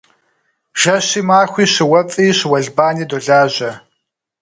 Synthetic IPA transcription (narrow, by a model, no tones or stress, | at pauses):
ʒ̥ɐɕiːmaːxʷiːɕɪwɐfʼiːɕɪwɐɮbaːniːdoːɮaːʑɐ